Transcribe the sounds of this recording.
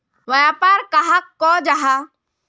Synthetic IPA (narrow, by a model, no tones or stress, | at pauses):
ʋɐjapaːɾkaɦakːɔd͡ʒaɦa